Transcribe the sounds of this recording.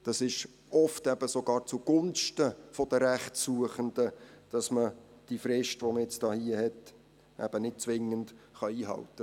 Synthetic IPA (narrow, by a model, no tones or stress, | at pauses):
d̥ɑsɪʃ | ɔftɛb̥əsoɡɑːɾt͡suɡ̥ʊnʃtəfɔd̥əɾæχtsuəχənd̥əd̥ɑsmə | d̥ifɾɪʃtʋoməjɛt͡stɑːhiːəhɛt | ʔæ̰b̥ənɪt̚t͡sʋɪŋːəndχɑiːɦɑ̰ltə